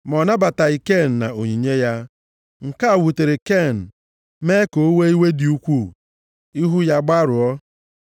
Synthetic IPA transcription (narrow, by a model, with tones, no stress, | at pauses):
mɔ˨na˦ba˨ta˨i˨ke˦˨n̩˨na̰˨o˨ɲi˨ɲe˦ja˦ | ŋ̩˨ka˦a˨wu˨te˨ɾe˨ke˦˨n̩˨ | me˦ko˨o˦we˦i˦we˦di˨u˦kʷu˦˨ | i˦ɦu˦ja˦ɡ͡ba˦ɾʊ˨ɔ˦